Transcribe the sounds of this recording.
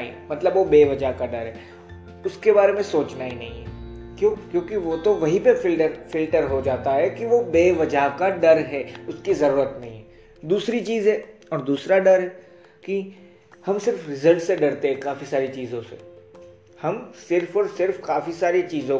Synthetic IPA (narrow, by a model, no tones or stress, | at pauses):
ḭmɐt̪ləbʋobeːʋɐd͡ʒaɦkaɖɐɾɦɛː | ʊskebaːɾemẽsoːt͡ʃnainɐɦĩɦɛkjõkjõːkiʋot̪oʋɐɦĩpeɪlʈəɾfɪlʈəɾɦod͡ʒaːt̪aɦɛkiʋobeːʋɐd͡ʒaɦkaɖɐɾɦɛːʊskizɐɾuːɾət̪nɐɦĩɦɛː | d̪uːsɾit͡ʃiːzɦɛː | ɔːɾd̪uːsɾaɖɐɾɦɛː | ki | hɐmsɪɾfɾɪzəlʈseɖɐɾt̪eɦɛ̃kaːfisaːɾit͡ʃiːzõsḛ | hɐmsɪɾfɔːɾsɪɾfkaːfisaːɾet͡ʃiːzõ